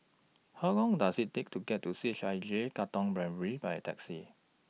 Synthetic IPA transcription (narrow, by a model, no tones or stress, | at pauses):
haʊlɔ̃ŋdasitek̚tʰuɡɛt̚ʰːusit͡ʃajd͡ʒekatɔ̃ŋbɹɛ̃nɹibajtʰɛksi